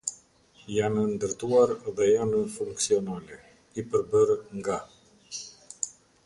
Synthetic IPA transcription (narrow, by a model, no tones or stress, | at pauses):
janənd̪əɾt̪uaɾðɛjanəfuŋksionale | ipəɾbəɾŋɡa